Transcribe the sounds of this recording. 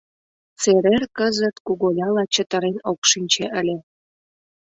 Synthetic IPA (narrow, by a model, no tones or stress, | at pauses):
t͡seɾerkəzət̪kuɣolʲɑlɑt͡ɕət̪əɾenokʃinʲt͡ɕeʔəlʲe